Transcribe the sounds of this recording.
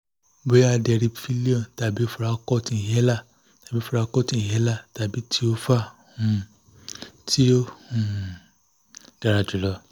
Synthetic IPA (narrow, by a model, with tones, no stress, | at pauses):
bo˨˦ja˦˧˨dɛ˧ɾi˧fi˦˧˦li˦ɔ̃˨ta˨bi˨˦fu˦˧ɾa˧kɔ˦˨tĩ˧i˨jɛ˦la˦˨ | ta˨bi˨˦fu˧ɾa˧kɔ˦tĩ˦˨i˨ɛ˨˦la˦˨ta˨bi˨˦tʰi˦o˦fa˦˨ | hũ˧ | tʰi˦o˦hũ˨ | d̥a˧ɾa˧˨d͡ʒu˨lɔ˧˦